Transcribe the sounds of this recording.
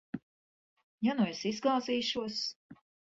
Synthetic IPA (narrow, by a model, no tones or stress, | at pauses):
januesizɡlˠɑːziːʃuɔs